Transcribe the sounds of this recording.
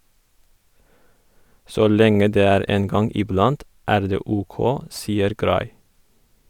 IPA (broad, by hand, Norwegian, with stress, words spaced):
ˈsoː ˈlɛŋə ˈdeː ˈæːɾ ˈeːn ˈɡɑŋ ɪˈblɑnt ˈæːɾ ˈdeː ˈuːˌkoː ˈsiːəɾ ˈɡɾɑɪ